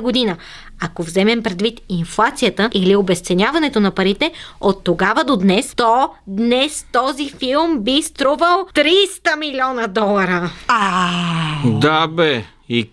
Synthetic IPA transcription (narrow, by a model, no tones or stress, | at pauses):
ɡod̪inə | akovzɛmɛmpɾɛd̪vit̪inflˠat̪sijət̪əʔiliobɛst̪sɛnʲavɐnɛt̪onɐpɐɾit̪ɛot̪ːoɡavəd̪od̪nɛst̪ɔd̪nɛst̪ɔzifilˠmbist̪ɾuvəlˠt̪ɾist̪əmilʲiɔnəd̪ɔlˠɐɾəa | d̪abɛ | i